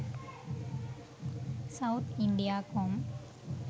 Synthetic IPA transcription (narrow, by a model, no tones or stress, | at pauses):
sɐwt̪ʰɪɳɖijaːkoːm